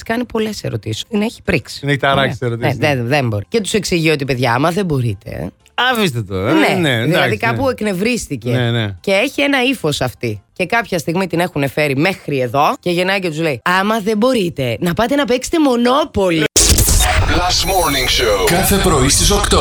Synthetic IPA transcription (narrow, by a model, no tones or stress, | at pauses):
skɐnipo̞le̞se̞̰ɾo̞t̪isi̥t̪ineçi̥pɾiksi̥neçit̪ɐɾɐiseɾot̪ineeðembo̞ɾice̞t̪u̥se̞ksiʝiot̪ipe̞ðʝɐːmɐðe̞bo̞ɾḭt̪e̞̰ | ɐvist̪et̪oɾɐneneðilɐðikɐpue̞kne̞vɾist̪icenece̞eçie̞nɐifo̞sɐft̪ice̞kɐpçɐst̪iɣmit̪ine̞xune̞fe̞ɾime̞xɾie̞ðo̞ce̞ʝenɐcet̪uzle̞iɐmɐðebo̞ɾit̪e̞nɐpɐt̪eenɐpekse̥t̪emo̞no̞po̞li | lɐst̪moɾniŋʃoʊkɐθepɾo̞ist̪isokt̪o